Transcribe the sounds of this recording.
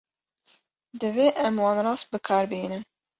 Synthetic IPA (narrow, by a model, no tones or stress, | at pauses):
d̪ɨveːʔɛmwɑːnɾɑːst̪̚bɨkʰɑːɾbiːnɨn